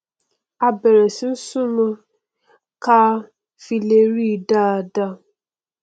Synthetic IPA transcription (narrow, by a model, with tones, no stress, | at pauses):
a˧bɛ˨ɾɛ˨si˨n̩˦sũ˦nũ˧ | ka˦ | fi˧le˧ɾi˦˨da˦˨da˧